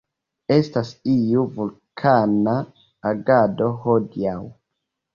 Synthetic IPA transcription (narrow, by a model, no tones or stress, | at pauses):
e̞stasiuvulkʰanaː | ɡado̞hodiaw